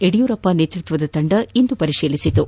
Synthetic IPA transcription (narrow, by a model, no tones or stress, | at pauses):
eɽijuːɾɐpːɐneːt̪ɾut̪ʋɐd̪ɐt̪ɐɳɖɐind̪upɐɾiʂiːlisit̪u